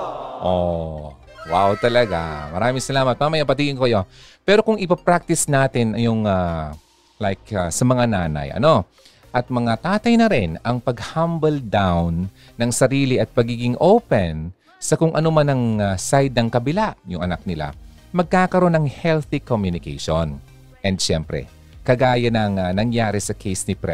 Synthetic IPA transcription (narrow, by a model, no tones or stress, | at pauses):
ʔo | wawt̪ɐlɐɡa̰mɐ̰ɾaːmɪŋsɐlaːmɐt̪̚maːmɐjapɐt̪iːɡɪnkokɐjo̞pɛːɾo̞kʊŋɪpɐpɾak̚t̪ɪsnaːt̪ɪnjʊŋa | lajk̚asɐmɐŋanaːnɐ̰jʔɐ̰no̞ | ʔɐt̪̚mɐŋat̪aːt̪ɐjnɐɾɪnɐŋpɐɡhambɐld̪awnː | ɐŋsɐɾiːlɪʔɐt̪̚pɐɡiːɡɪŋʔowpɛn | sɐkʊŋʔɐnomanɐŋasajd̪̚nɐŋkɐbɪlaʔjʊŋʔɐna̰k̚nɪla̰ | mɐɡ̚kaːkɐɾo̞nɐŋhɛlθikomjʊnɪkḛjʃon | ʔɛnd̪ʃɛmpɾɛ̰ | kɐɡaːjɐnɐŋanɐŋjaːɾɪsɐkʰejsnɪpɾɛ